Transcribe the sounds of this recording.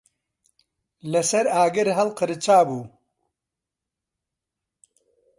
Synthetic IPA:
lɐsɐɾaːɡɪɾɦɐlqəɾɨt͡ʃaːbuː

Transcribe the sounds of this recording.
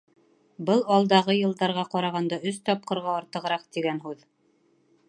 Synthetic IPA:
bɤlˠɒlˠd̪ɑʁɤjɤ̆lˠd̪ɑɾʁɑqɒɾɑʁɑnd̪ɑɵst̪ɒp̚qɤ̆ɾʁɑːɾt̪ɤ̆ʁɾɑqt̪iɡænɦʉð

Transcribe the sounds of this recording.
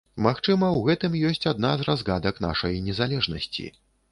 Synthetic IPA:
maxt͡ʂɨmɐwɣɛt̪ɨmjɔsʲt͡sʲad̪nazrazɣad̪ɐkna̰ʂɐjnʲɛzalʲɛʐnɐsʲt͡sʲḭ

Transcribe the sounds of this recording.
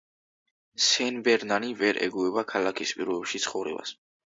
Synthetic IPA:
sɛnbɛɾnanivɛɾʔɛ̰ɡuɛbakʰalakʰispʼiɾɔbɛpʃit̪sʰχɔvɾɛ̰ba̰s

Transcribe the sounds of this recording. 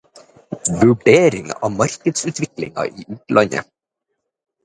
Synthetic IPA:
vʉɖeːɾɪŋɑ̰ʋmɑɾ̥kəd̪sʉt̪vɪklɪ̰ŋa̰ʔiʔʉːt̪lɑɲə̰

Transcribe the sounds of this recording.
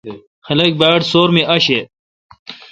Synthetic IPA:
xɐlɐk̚baːʈsoːɾmiʔɐɕe

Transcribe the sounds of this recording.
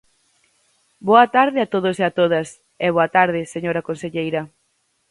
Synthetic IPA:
boɐt̪aɾðɪat̪oðoseat̪oðɐs | ɛβoɐt̪aɾðɪseɲoɾɐkonseʎejɾɐ

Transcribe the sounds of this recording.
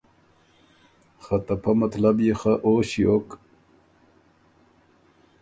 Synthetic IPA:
χɐt̪ɐpʰɐmɐt̪lɐbjexaʔoːɕiok

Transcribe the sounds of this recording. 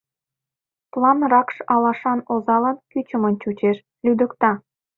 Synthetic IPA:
plˠɑnrɑkʃɑlɑʃɑnozɑlɑnkyt͡ɕə̆mɤ̆nt͡ɕut͡ɕeʃ | lʲyd̪ə̆kt̪ɑ

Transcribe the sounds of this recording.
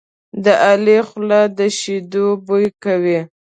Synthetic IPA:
d̪əʔalexlad̪əʃid̪obojkawi

